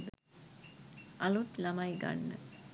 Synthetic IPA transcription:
d̪ | ʔɐlut̪lɐmɐjɡɐ̰nːɨ̰

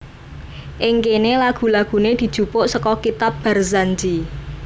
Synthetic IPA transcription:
ʔɪŋkenelaɡ̥ṳlaɡ̥ṳned̪̥i̤d̥ʒ̥ṳpʊʔsəkɔkit̪ap̚b̥a̤rzand͡ʒi

